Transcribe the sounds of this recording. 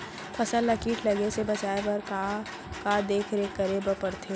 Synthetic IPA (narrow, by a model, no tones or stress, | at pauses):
pʰɐsəlːɐkiːʈʰlɐɡesebɐt͡ʃaːebɐɾka | kad̪eːkʰɾeːkːɐɾebəpɐɾt̪ʰe